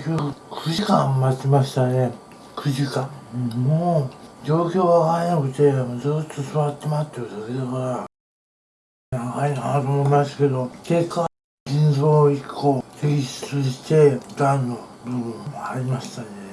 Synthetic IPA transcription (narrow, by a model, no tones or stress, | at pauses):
kʲokɯ̟kʰɯ̟ʑikãmːat͡ɕimaɕi̥t̪ane̞ | kʰɯ̟ʑikãmoːd͡ʑo̞ːkʲo̞ːβakaenakɯ̟t̪e̞mod͡zɨt̪ːosɨβat̪ːe̞mat̪ːeot̪ased̪akaɾa | nakainat̪oːmoimasḁke̞d̪o̞ke̞kːa | ĩnzoːikʰːoːt̪ʰekʲiɕi̥t͡sɨɕi̥t̪e̞d̪ãnːobɯ̟bɯ̃aɾʲimaɕi̥t̪ane